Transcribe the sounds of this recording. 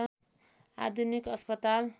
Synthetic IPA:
a̰d̪ʱunikʌspʌt̪al

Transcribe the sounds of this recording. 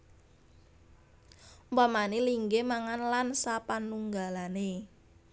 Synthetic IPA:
bamaneliŋɡemaŋanlansapanuŋɡalane

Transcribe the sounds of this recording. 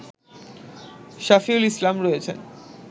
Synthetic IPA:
ʃafiulislamɾɔet͡ɕʰḛn

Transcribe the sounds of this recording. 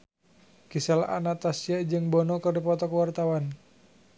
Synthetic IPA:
kisala̰ʔa̰nat̪asiaʔd͡ʒɨŋbɔnɔkɔrdipɔt̪ɔkəwart̪awan

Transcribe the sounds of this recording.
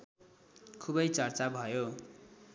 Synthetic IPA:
kʰubʌjt͡sʌrt͡sabʱʌjo

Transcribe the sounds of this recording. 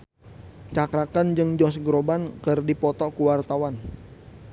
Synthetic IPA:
t͡ʃakɾakand͡ʒɨŋd͡ʒɔsɡɾobankərdipɔt̪ɔkuwart̪awan

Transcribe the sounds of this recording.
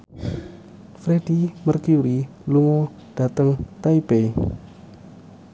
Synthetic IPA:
fɾedimərkiuɾiluŋɔ | d̥at̪əŋt̪aibej

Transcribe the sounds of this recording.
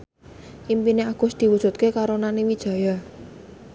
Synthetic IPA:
ʔimpineaɡ̥ʊsd̪̥i̤wud̥ʒ̥ṳt̪̚kekaɾonanewid̥ʒ̥a̤ja

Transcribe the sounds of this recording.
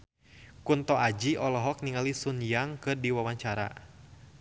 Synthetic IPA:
kunt̪ɔʔad͡ʒiɔlɔɦɔk̚niŋalisunjaŋkɨrdiwawaɲt͡ʃaɾa̰

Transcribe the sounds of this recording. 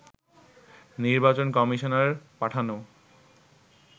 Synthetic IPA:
niɾbat͡ɕonkɔmiʃonaɾpaʈʰano

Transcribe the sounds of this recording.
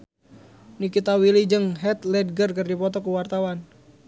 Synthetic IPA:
nikit̪awilid͡ʒəŋɦɛt̪lɛd̚ɡərkərdipɔt̪ɔkuwart̪awan

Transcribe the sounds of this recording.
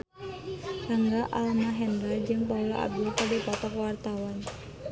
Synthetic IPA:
raŋɡaʔalmaɦɛndɾad͡ʒɨŋpaulaa̰b̚dukadipɔt̪ɔkwart̪awan

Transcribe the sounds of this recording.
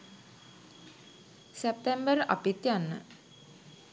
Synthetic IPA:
sep̚t̪embəɾʔa̰pit̪janːə̰

